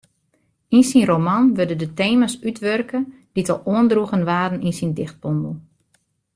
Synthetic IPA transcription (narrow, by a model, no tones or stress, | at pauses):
insinromanʋødədəteːmasytʋørkə | d̥itɔlˠuəndruɣənʋaːdən̩insindɪxt̚b̥ɔmbl̩ˠ